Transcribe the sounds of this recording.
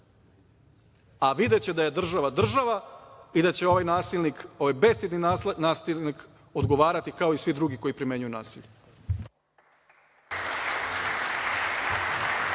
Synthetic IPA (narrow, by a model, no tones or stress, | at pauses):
aʋid̪e̞t͡ɕe̞d̪aje̞d̪r̩ʒaʋad̪r̩ʒaʋaid̪at͡ɕe̞o̞ʋajnaːsilniko̞ʋajbe̞st̪id̪ninaːsilnik | o̞d̪ɡo̞ʋaːɾat̪ikao̞isʋid̪ɾuɡiko̞jipɾime̞ɲujunaːsiʎe